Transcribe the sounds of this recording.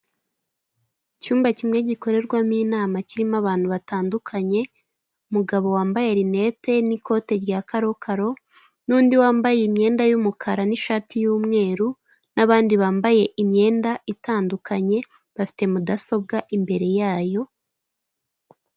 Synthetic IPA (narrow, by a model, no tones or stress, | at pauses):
cuːmbacimŋe̞ɟiko̞ɾe̞ɾɡwamiːnaːmaciɾimaβaːn̥huβataːndukʰaɲe̞ | umuɡaβo̞waːmbajeɾine̞te̞niko̞ːte̞ɾjakaɾo̞kʰaɾo̞ | nuːndiwaːmbajeimɲe̞ːndajumukʰaɾaniʃaːtijuːmŋe̞ːɾu | naβaːndiβaːmbaje̞ʔimɲe̞ːndaʔitaːndukaɲe̞ | βafi̥te̞mudaso̞b̚ɡaʔimbe̞ɾe̞jaːjo